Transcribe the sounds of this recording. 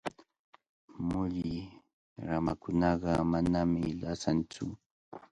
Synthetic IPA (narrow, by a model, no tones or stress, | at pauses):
mʊʎɪ | ɾamakʊnɑɢɑmanamɪlasant͡sʊ